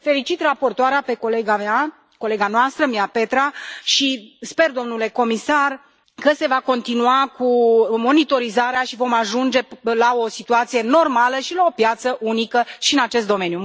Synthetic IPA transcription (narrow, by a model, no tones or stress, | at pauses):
fe̞lit͡ʃit̪rapo̞rt̪oaɾeape̞ko̞le̞ɡamea | ko̞le̞ɡanoast̪ɾəmiape̞t̪ɾaʃispe̞rd̪o̞mnule̞ko̞misar | kəse̞vako̞nt̪inuakumo̞nit̪o̞ɾizaɾeaʃivo̞maʒund͡ʒe̞lao̞sit̪uat̪sije̞no̞rmaləʃilao̞pjat̪səʔunikəʃiɨnat͡ʃe̞s̬t̪d̪o̞me̞nju